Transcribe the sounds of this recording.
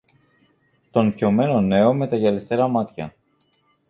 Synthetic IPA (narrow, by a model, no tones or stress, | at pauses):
t̪o̞npço̞me̞no̞ne̞o̞me̞t̪ɐʝelest̪eɾɐmɐt̪çɐ̰